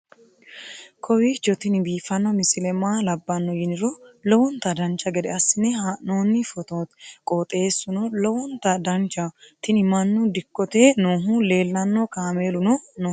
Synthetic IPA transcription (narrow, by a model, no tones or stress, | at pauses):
kʰɔwid͡ʒɔt̪ɪnbiːfɐnːɔmɪsɪlɛmaːlɐbːɐnːɔjɪnɪɾɔlɔwɔnt̪ɐd̪ɐnt͡ʃːɐɡɛd̪ɛɐsːɪnɛhanoːnːɪfɔt̪oːt̪kʼoːt̪ʼe̞ːsːʊnɔlɔwɔnt̪ɐd̪ɐnt͡ʃːɐt̪ɪnɪmɐnːʊd̪ɪkːɔt̪eːnoːɦʊle̞ːlːɐnːɔkaːme̞ːlʊnɔnoː